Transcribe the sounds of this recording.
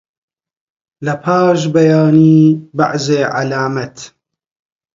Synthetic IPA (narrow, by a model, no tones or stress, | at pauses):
lɐpʰaːʃbɐjaːniːba̰ʕzeːʕa̰laːmɐt̪